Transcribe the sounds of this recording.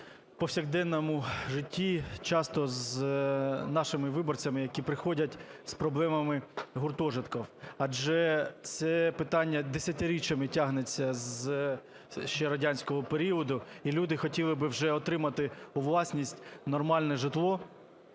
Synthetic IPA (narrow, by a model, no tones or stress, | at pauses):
pɔwsʲɐɣd̪ɛnːɔmʊʒɪtʲːit͡ʃɑst̪ɔz | nɑʃɪmɪʋɪbɔrt͡sʲɐmɪjɐkʲipɾɪxɔdʲɐtʲspɾɔblˠɛmɐmɪɦʊrt̪ɔʒɪt̪kɐwɐd͡ʒɛt̪sɛpɪt̪ɑnʲːɐd̪esʲɐt̪ɪɾʲit͡ʃɐmɪtʲaɦnet͡sʲːɐz | ʃt͡ʃɛɾɔdʲanʲsʲkɔɦɔpeɾʲiɔd̪ʊilʲud̪ɪxɔtʲilˠɪbɪwʒɛɔt̪ɾɪmɐt̪ɪʊʋlˠɑsʲnʲisʲtʲnɔrmɑlʲnɛʒɪt̪lˠɔ